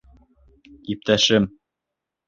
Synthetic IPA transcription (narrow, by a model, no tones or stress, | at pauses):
ip̚t̪æʃɘm